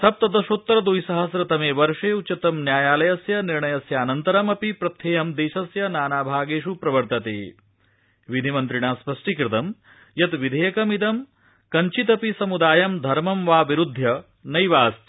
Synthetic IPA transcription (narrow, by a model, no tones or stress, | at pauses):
sʰɐp̚t̪ɐd̪ɐʃot̪ːɾɐd̪ujsɐɦɐsɾɐt̪ɐmeːʋɐɾʂeːut͡ʃɐt̪ɐmnjaːjaːlɐjɐsjɐniɾɳɐjɐsjɐːnɐnt̪ɐɾɐmɐpipɾɐt̪ʰːjeːjɐmd̪eːʃɐsjɐnaːnaːbʱaːɡeːʂupɾɐʋɐɾt̪ɐt̪ḛː | ʋid̪ʱimɐnt̪ɾiɳaːspɐʂʈikɾɪt̪ɐm | jɐt̪ʋid̪ʱeːjɐkɐmit̪ɐm | kɐɲt͡ʃit̪ɐpisɐmud̪aːjɐmd̪ʱɐɾmɐmʋaːʋiɾud̪ʱːjɐ | nɐjʋaːst̪